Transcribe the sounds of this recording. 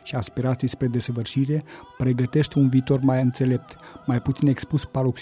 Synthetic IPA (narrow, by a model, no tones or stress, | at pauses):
ʃiaspiɾat̪sijspɾe̞d̪e̞səvɨrʃiɾe̞pɾe̞ɡət̪e̞ʃt̪ʲunviːt̪o̞rmajɨnt̪se̞le̞p̚t̪majput̪sine̞kspuspaɾoks